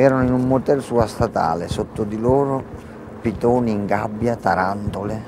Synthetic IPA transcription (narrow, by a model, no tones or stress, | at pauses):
ɛːɾanoinumːot̪ɛlsuast̪at̪a̰ːlɪsot̪ːʊd̪iloːɾʊ | pit̪ɔːniːŋɡabːjat̪aɾant̪ʊlɪ